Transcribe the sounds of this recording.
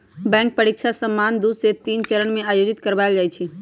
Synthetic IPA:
bɛ̃ːŋk̚pəɾikʃʰasə̃mːaːnd̪uːd̪set̪iːnt͡ʃəɾəɳ̃mẽaːjoːd͡ʒɪt̪kəɾbaːjld͡ʒaːit͡ʃʰi

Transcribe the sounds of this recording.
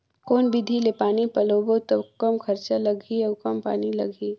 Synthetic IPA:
koːnbid̪ʱilepaːnipɐloːbot̪okɐmkʰɐɾt͡ʃalɐɡʱiɐkɐmpa̰ːnilɐ̰ɡʱiː

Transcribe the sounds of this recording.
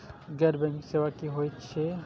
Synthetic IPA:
ɡɛɾbɛ̃ŋkseʋakiɦojt͡ʃʰe

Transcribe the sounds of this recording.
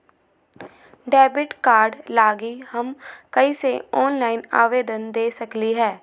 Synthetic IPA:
ɖɛːbɪʈkaːɾɖlaːɡiːhəmkəiːsḛɔːnlaːɪna̰ːʋeːd̪ənd̪eːsəkliɦɛː

